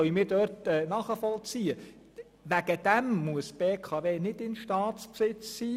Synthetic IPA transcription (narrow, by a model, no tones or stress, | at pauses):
œɥəmɪːɾdœrtɛːnɑːχəfɔlt͡siːə | ʋæɡ̥əd̥̪æmmuəsb̥eːkʰɑːveːnɪdɪnʃtɑːtt͡spsɪt͡ssiː